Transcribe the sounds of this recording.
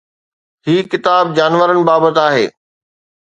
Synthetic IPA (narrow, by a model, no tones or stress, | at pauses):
ɦiːkɪt̪aːb̚d͡ʑaːnʋəɾənɪ̆baːbət̪aːɦḛː